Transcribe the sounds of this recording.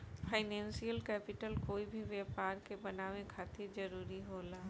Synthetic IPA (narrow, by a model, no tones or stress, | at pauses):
pʰaːɪnɛ̃ːnsijəlkɛːpɪʈəlkoːibʱiʋjɛːpaːɾkebɐnaːʋẽkʰaːt̪ʰeɾd͡ʒɐɾuːɾiɦoːlaː